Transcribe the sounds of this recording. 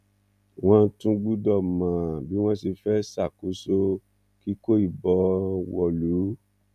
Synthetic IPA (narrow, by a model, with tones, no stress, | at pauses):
w̃ɔ̃˦˧˦tũ˦ɡ͡bu˦dɔ˦˨mã˨bi˦w̃ɔ̃˦si˧fɛ˦sa˦˨ku˨˦so˦ | ki˦ko˦i˦˨bɔ˨˦wɔ˧˨lu˨˦